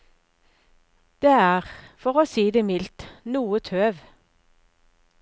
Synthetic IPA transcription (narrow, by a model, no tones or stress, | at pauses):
d̪̥eːæːʁfɔʁoːsiːd̪eːmɪlt̪nuːət̪ʰøːʋ